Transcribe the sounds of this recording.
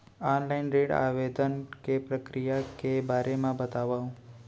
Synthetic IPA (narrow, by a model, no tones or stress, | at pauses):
ɔnlainɾeɽa̰ʋed̪ənkepɾəkɾijakebʱaɾemãbət̪aʋaũ